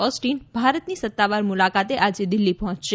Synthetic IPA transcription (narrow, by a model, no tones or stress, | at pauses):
ɔsʈinbʱaɾət̪nisət̪ːaʋaɾmulakat̪eʔad͡ʒed̪ɪlːipɔɦɔ̃t͡ʃʃe